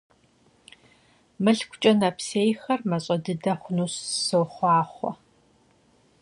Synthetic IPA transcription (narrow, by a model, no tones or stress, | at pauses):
mɨɬkʷʊt͡ʃʼɐnɐpʰseːjxɐrmɐɕʼɐdɨdɐχʷʊnuːssowχʷɑːχʷɔ̰